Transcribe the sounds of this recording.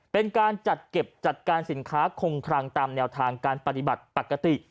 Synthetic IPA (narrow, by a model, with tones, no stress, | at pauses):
pe˧nkaː˧nt͡ɕa˨˩t̪̚ke˨˩p̚t͡ɕa˨˩t̪̚kaː˧nsi˩˦nkʰaː˦˥kʰo˧ŋkʰɾaː˧ŋt̪aː˧mnɛː˧wt̪ʰaː˧ŋkaː˧npa˧˩t̪i˨˩ba˨˩t̪̚pa˨˧˩ka˧t̪i˨˩ʔ